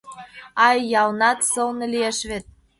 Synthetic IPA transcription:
ɑjːɑlnɑt̪sɤlnɤ̆lieʃβet̪̚

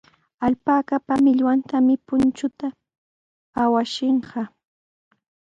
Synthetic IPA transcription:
aʎpakapamɪʎwant̪amɪpʊnt͡ʃʊt̪aː | waʃɪɴɢɑ

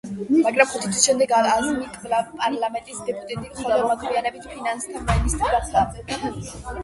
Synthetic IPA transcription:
maɡɾamχut̪ʰit̪ʰwisʃɛmd̪ɛɡaazmikʼzlapʼaɾlamɛnt̪ʼisd̪ɛpʼut̪ʼat̪ʼimχɛlˠamak̪ʰvianɛbit̪ʰpʰinanst̪ʰanmanist̪ʼɾiɾad̪aɛ

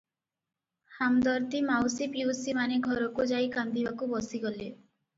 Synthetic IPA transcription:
hamd̪ɔɾt̪imawsipjuusimaneɡʱɔɾɔkud͡ʒaikand̪ibakubɔsiɡɔle

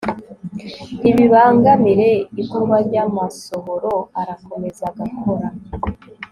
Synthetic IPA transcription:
iβiβaːŋɡamiɾe̞ikuɾɡaɾɟamaso̞ɦoɾo̞aɾako̞me̞zaɡakʰo̞ɾa

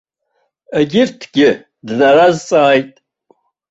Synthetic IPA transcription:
eɡʲɪrtʰɡ̥ʲɪ | dnaɾazt͡sʼaːjtʼ

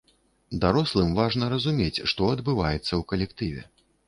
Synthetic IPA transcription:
d̪aɾɔslˠɨmvaʐnɐɾɐzumʲet͡sʲʂt̪ɔɐd̪bɨvajɛt̪sːɐwkɐlʲɛkt̪ɨvʲɛ̰

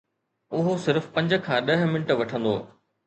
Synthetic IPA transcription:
ʊɦosɪɾfpɐ̃ɲd͡ʑə̆kʰãːɗɐɦ̆mɪnɪʈʋɐʈʰə̃nd̪o̰ː

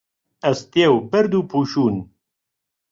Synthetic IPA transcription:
ɐst̪ewbɐɾd̪uːpʰuːʃuːn

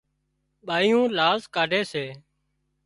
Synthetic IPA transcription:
ɓaːijũːlaːzkaːɖʱeːseː

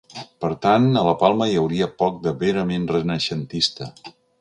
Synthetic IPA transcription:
pəɾt̪anələpalˠməjəwɾiəpɔk̚d̪əβeɾəmenrənəʃənt̪ist̪ə

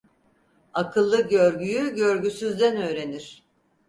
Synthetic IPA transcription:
akʰɯlˠːɯɟøɾɟyjyɟø̞ɾɟysyzd̪ænø̞ːɾe̞niɾ̥

